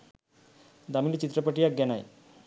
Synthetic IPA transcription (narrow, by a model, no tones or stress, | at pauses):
d̪amilet͡ɕit̪ːɾapaʈiaɡɛnaj